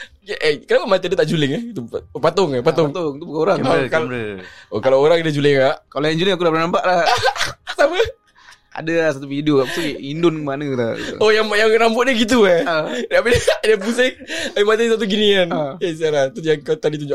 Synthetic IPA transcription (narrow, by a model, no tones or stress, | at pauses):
kʔɛkənapamat̪ədət̪aʔd͡ʒulɪŋɛit̪upat̪ʊŋapat̪ʊŋt̪oŋt̪ubukaoɾakalokalaoɾaŋadad͡ʒulɪkaʔkalojaŋd͡ʒulɪŋakudapərnampaʔlah | samə | a̰daasat̪ufidiokakut̪uiindʊnkəmanəla̰ojaŋjaŋrambʊʔ̚dəɡit̪̬uadapeddapuse | aimat̪̬ais̬at̪̬uɡinianes̬ialat̪ujaŋkat̪adit̪uɲd͡ʒʊ